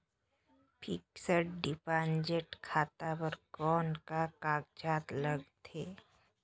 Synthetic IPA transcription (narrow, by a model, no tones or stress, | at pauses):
pʰɪksəʈɖɪpãːnd͡ʒeʈkʰaːt̪abəɾkɔːnkakaːɡd͡ʒaːt̪ləɡt̪ʰeː